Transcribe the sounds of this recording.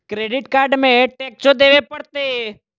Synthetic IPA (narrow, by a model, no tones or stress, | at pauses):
kɾeːɖɪʈkaːɾɖmẽʈeːk̚t͡ʃod̪eːʋepɐɽt̪e